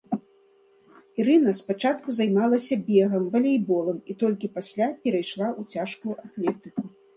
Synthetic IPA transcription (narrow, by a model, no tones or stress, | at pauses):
iɾɨnɐspat͡ʂat̪̚kuzajmalˠɐsʲɐbʲɛɣɐmvɐlʲejbɔlˠɐmit̪ɔlʲkʲipasʲlʲapʲɛɾɐjʂlˠaʔut͡sʲaʂkujuʔat̪lʲɛt̪ɨku